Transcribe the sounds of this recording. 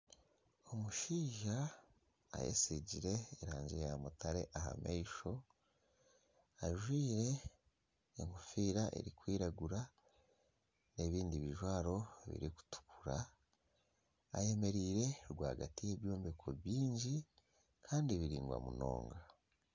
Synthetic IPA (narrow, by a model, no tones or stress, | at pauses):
omuʃiːʒa̰ː | jḛsiɟiɾe̞ːɾaːɲd͡ʒejamutaɾe̞̰ʔaha̰mʔeiʃo̞ | aʒwiːɾe̞ː | ŋufiːɾaʔḛɾikwiːɾaɡuɾa | ne̞βiːndiβiʒwaːɾo̞βḭɾiku̥tu̥kuɾa | je̞me̞ɾiːɾe̞ɾɡwa̰ːɡatije̞βjoːmbekʰoβjiːɲɟi | kʰaːndiβiɾiːŋɡwa̰mṵno̞̰ːŋɡa